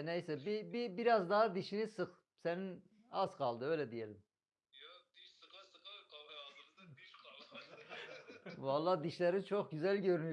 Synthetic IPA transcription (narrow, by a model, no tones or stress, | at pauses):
nejsɛbibibiɾazd̪aɦad̪iʃinisɯχ | senin | az̥kʰalˠd̪ɯø̞jlʲɛd̪ijelʲim | valˠːaːd̪iʃlʲæɾint͡ʃʰok̚ɟyzælʲɟøɾyny